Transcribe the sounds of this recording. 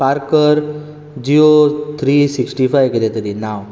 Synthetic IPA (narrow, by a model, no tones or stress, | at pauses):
paɾkəɾ | d͡ʑiot̪ʰɾisiksʈifajʋɡelet̪əɾinaw